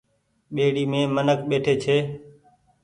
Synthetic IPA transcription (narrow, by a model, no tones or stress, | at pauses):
ɓeːɽiːmẽːmənəkɓeːʈʰeːt͡ʃʰeː